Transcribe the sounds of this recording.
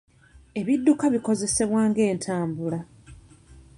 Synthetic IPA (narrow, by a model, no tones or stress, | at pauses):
e̞βidːukaβiko̞ze̞se̞βwaːŋɡe̞ːntʰaːmbula